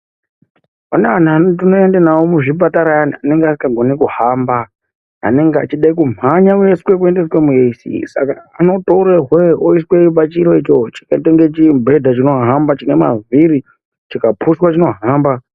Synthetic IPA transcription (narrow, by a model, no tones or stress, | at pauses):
aneanantino̞e̞ndenawomuʐipataɾaananeŋɡeasikaɡʱo̞nekuhamba̰ː | ne̞ŋɡea̰t͡ʃiɗaikumaɲawe̞swe̞k̬ue̞ndeswemueisḭsa̰kaːno̞toɾeɦweoisweipat͡ʃiɾoit͡ʃot͡ʃi̥kateŋɡe̞t͡ʃimbʱe̞dʱat͡ʃino̞ɦambat͡ʃinema̰viɾi | t͡ʃikapʰuswat͡ʃino̞ɦaːmba